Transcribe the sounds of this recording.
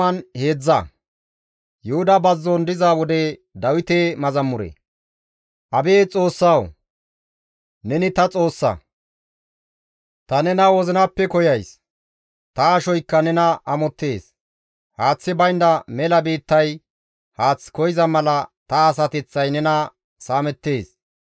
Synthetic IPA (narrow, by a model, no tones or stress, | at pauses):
ɐnhe̞ːd͡zːɐ | jʊhʊd̪ɐbɐzːɔnd̪ɪzaːwɔd̪ɛd̪ɐwɪt̪eːmɐzɐmːʊɾḛ | ʔɐbe̞ːt͡sʼo̞ːsːɐw | nɛnɪt̪ɐt͡sʼo̞ːsːɐ̰ | t̪ɐnɛnɐwɔzɪnɐpːɛkɔjɐjs | t̪ɐːʃɔjkːɐnɛnɐʔɐmɔt̪ːe̞ːs | haːt͡sːɪbɐjnd̪ɐmɛlɐbeːt̪ːɐj | haːt͡sːkɔjɪzɐmɐlɐt̪ɐːs̬ɐt̪ɛt͡sːɐjnɛnɐ | saːmɛt̪ːe̞ːs